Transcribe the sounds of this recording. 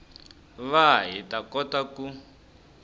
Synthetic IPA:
βaɦitakɔtaku

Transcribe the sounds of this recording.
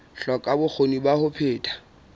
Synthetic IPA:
ɬɔkʼabʊk͡xʰonibahʊpʰeːtʰʼḁ

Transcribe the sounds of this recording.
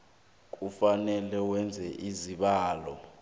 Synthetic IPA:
k̬ʼufanɛlɛwɛnd͡zʱɛʔiziɓaːlɔ

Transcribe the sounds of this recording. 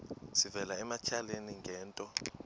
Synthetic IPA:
sivɛlaɛmat͡ʃʰaleniŋɡɛːntʼɔ

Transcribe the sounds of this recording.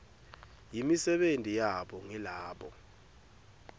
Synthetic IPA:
jimisɛɓentʼijaɓɔŋilaːɓɔ̰

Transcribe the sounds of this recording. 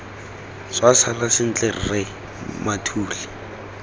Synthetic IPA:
swasalasɪn̩t͡ɬʼer̩rɛ | matʰuːlɪ

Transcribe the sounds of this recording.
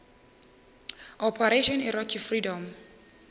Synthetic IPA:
ʔɔpʰɛɾeʃɔ̃nirɔkʰifridɔ̃m

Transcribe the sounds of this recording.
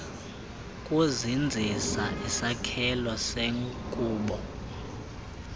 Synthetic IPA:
kʼuzind͡zʱisaʔisakʰɛlwaseŋkʼuːɓɔ

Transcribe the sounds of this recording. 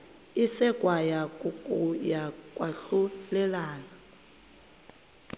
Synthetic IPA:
isɛkʼwajakkʼujakʼwaɬulɛlaːna

